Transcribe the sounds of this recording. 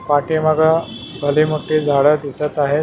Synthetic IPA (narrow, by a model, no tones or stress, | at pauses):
paʈiːməɡa | bʱəliːmuʈːiːd͡zʱaɽəd̪isət̪aɦe